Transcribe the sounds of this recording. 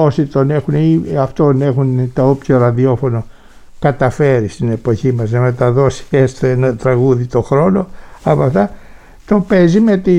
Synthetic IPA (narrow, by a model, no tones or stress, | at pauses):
osit̪one̞xuniɐft̪onexunt̪ɐopsioɾɐðio̞fo̞no | kɐt̪ɐfe̞ɾist̪ine̞po̞çimɐznɐme̞t̪ɐðo̞si̥est̪enɐt̪ɾɐɣuðit̪o̞xɾo̞no̞ɐpɐft̪ɐ | t̪o̞pe̞zimet̪i